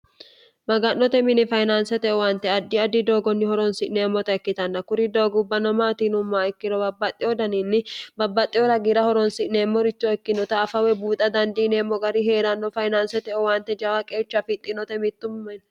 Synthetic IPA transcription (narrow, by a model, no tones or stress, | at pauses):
mɐɡɐnːɔt̪ɛmɪnɛfɐjnansɛt̪ɛɔwaːnt̪ɛɐd̪ːɪɐd̪ɪd̪o̞ːɡɔnːɪhɔɾɔnsɪʔneːmːɔt̪ɐɛkːɪt̪ɐnːɐkʊɾɪd̪oːɡʊbːɐnɔmaːt̪iːnʊmːaːɛkːɪɾɔbɐbːɐt̪ʼːɪɔd̪ɐninːɪbɐbːɐt̪ʼːɪjɔɾɐɡiɾɐhɔɾɔnsɪʔneːmːɔɾɪt͡ʃːɔɛkːɪnɔt̪ɐːfɐwɛbuːt̪ʼɐd̪ɐnd̪iːneːmːɔɡɐɾɪɦe̞ːɾɐnːɔfɐjnaːnsɛt̪ɛɔwaːnt̪ɛd͡ʒɐwɐkʼe̞ːt͡ʃːɐfɪt̪ʼːɪnɔt̪ɛmɪt̪ːʊmːɐn